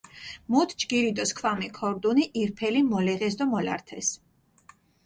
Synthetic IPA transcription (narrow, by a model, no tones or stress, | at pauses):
mut̪ʰd͡ʒɡiɾid̪ɔskʰwamikʰɔɾd̪uniʔiɾpʰɛlimɔlɛʁɛs̬d̪ɔmɔla̰ɾt̪ʰɛs